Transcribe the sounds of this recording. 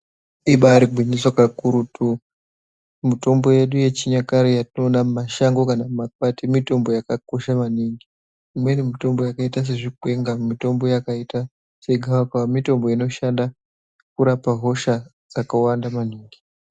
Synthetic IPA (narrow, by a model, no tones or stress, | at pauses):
iɓaɾiɡʱwiɲiswakakuɾutʰu | mito̞mbo̞je̞ɗuje̞t͡ʃiɲakaɾijatino̞nammaʃaŋɡo̞kanammap̚atimito̞mbo̞jakako̞ʃamaniŋɡi | imwenimito̞mbo̞jakaitas̬e̞ʐikwe̞ŋɡamito̞mbo̞jakaita | se̞ɡʱawakaamito̞mbo̞ino̞ʃanda | kuɾapaɦo̞ʃa | d͡zakawandamaniːŋɡi